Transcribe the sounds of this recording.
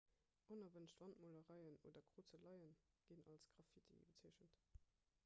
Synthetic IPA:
ʔonɐvənʃtv̥ɑntmoləʁɑɪəno̰ːdɐɡʁ̥oːt͡səlɑɪən | ɡ̥inɑ̰lsɡ̥ʁɑfitʰḭbət͡sʰiəʃənt

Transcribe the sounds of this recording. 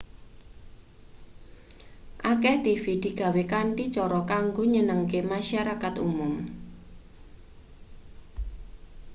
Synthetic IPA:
ʔakɛht̪ifid̪̥i̤ɡ̥a̤wekaɳʈit͡ʃɔɾɔkaŋɡoɲənəŋkemaʃaɾakat̪ṵmʊm

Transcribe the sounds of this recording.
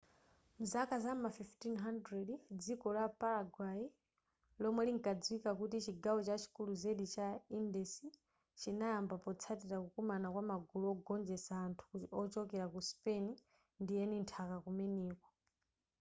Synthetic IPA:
m̩zakazamafiftinɦandɾɛdd͡zikɔlapaɾaɡwai | lɔmwɛliŋkad͡zwikakutit͡ʃiɡawɔt͡ʃat͡ʃʰi̥kuluzeɗit͡ʃaindɛsi | t͡ʃinajambapɔt͡sʰatiɾakukumanakwamaɡuluɔɡɔnd͡ʒɛsaːntʰu̥kutiɔt͡ʃɔkɛɾakuspɛni | ndijɛnintʰakakumɛniːkwɔ

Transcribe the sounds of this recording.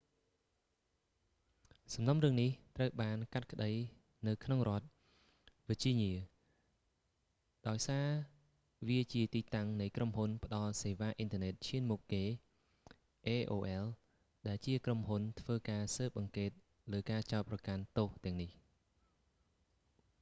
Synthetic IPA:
sɑmnomrɨəŋniht̪rəwɓaːnkat̪̚kə̆ɗəj | nɨwkʰnoŋrŏət̪̚ | ʋit͡ɕiəɲiə | ɗaɔjsaː | ʋiət͡ɕiət̪iːt̪aŋnɨjkromhunpə̆ɗɑlseːʋaːʔint̪ʰə̆nɛt̪̚t͡ɕʰiənmukkːeː | ʔeːʔoːʔɛl | ɗaɛlt͡ɕiəkromɦunt̪ʰʋəːkaːsəːp̚ʔɑŋkeːt̪̚ | ləːkaːt͡ɕaɔt̪̚prɑkant̪oːht̪ɛ̆əŋnih

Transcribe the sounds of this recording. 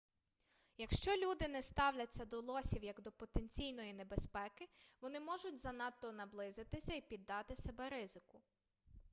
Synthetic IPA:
jɐkʃt͡ʃɔlʲud̪ɪnɛst̪ɑwlʲɐt͡sʲːɐd̪ɔlˠɔsʲiwjɐɡd̪ɔpɔt̪enʲt͡sʲijnɔjinebespɛkɪʋɔnɪmɔʒʊtʲzɐnɑt̪ːɔnɐblˠɪzɪt̪ɪsʲɐipʲid̪ːɑt̪ɪsebɛɾɪzɪkʊ

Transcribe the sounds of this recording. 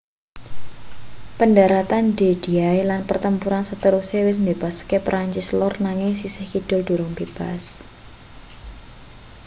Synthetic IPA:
pəndaɾat̪anded̥i̤ajlanpərt̪əmpuɾansət̪əɾusewɪs̬nd̪ebaskepɾʔaɲt͡ʃislɔrnaŋɪŋsisɪhkid̥ʊlɖ̥ṳɾʊŋb̥eb̥as

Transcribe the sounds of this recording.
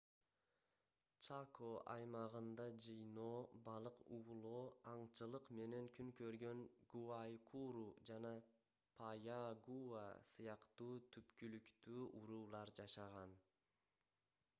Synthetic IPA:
t͡ʃakʰoʔɑ̰jmɑʁɯnd̪ɑd͡ʒɯjno̞ːbɑlˠɯqulˠoːɑɴt͡ʃɯlˠɯqme̞ne̞ŋkʰyŋkø̞ɾɡø̞ŋɡ̥uajkʰuɾud͡ʒɑnɑ | pʰajaɡua̰sɯjɑqt̪uːt̪ʰypkylykt̪yːʔuɾuːlˠɑɾd͡ʒɑʃɑʁɑn

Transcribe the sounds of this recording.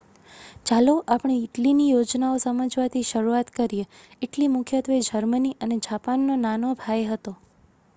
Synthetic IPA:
t͡ʃaloʔapɳ̃eːʈlinijod͡ʒnaosəməd͡ʒʋat̪ʰiʃəɾuat̪kəɾije | eʈlimʊkʰjət̪ʋed͡ʒəɾməniʔəned͡ʒapanːonanobʱajɦət̪o

